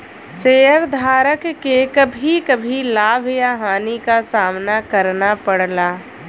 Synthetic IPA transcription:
seːəɾd̪ʱaːɾəkkːekɐbʱikɐbʱilaːbʱjaɦaːnikasaːmnakɐɾnapɐɽlaː

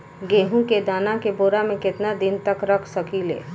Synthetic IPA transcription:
ɡeːɦũked̪aːnakeboːɾamẽkɪt̪nad̪ɪnt̪əkɾɐkʰsɐkilḛː

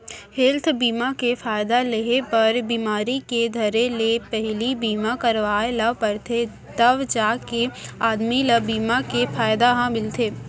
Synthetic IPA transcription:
hɪlt̪ʰbiːmakefaːjd̪aleɦepɐɾbiːmaːɾiked̪ʱɐɾelepɛɦlibiːmakɐɾʋaːelɐʋpɐɾt̪ʰe | t̪ɐʋd͡ʒaːkeaːd̪milɐbiːmakefʰaːjd̪aɦãmɪlt̪ʰeː

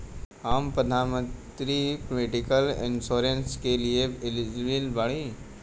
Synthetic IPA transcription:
aːmpɾəd̪ʱaːnmə̃nt̪ɾipolɪʈɪkəlɪ̰nʃoːɾenskelieɪlɪd͡ʒbilbaɽi

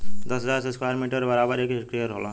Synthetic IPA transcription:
d̪ʌsɦəd͡zaɾseskwajɾmiʈəɾbəɾabəɾekkɾijəɾɦolã

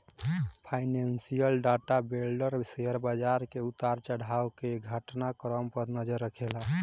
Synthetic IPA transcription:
pʰaɪnensijəlɖaʈabelɖəɾseəɾbad͡ʒaɾkeut̪aɾt͡ʃəɽ̤awkeɡʱəʈnakɾəmpəɾnəd͡ʒəɾːəkʰela

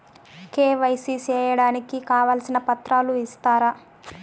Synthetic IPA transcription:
keːʋɐjsit͡ʃɛːjɐɽaːnikikaːʋɐːlsinɐpɐt̪ɾaːluist̪aːɾa

